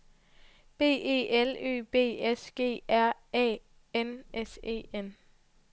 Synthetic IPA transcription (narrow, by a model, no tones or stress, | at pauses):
b̥e̝̰ːe̝̰ːelø̰ːb̥e̝̰ːesɡ̥e̝̰ːæɐ̰ɛ̰ː | enʔese̝̰ːen